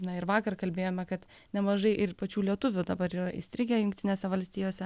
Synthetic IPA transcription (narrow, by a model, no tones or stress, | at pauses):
nɐɪɾʋɑːkɐrkɐlʲbʲeːjoːmʲɛkɐt̪ | nʲɛmɐʒɐɪʔɪpɐt͡ʃʲuːlʲiɛt̪ʊʋʲʊd̪ɐbɐɾiːɾɐʔɪ̰st̪ʲɾʲɪɡʲɛːjʊŋk̚t̪ʲɪnʲeːsʲɛʋɐlʲsʲt̪ʲiːjoːsʲɛ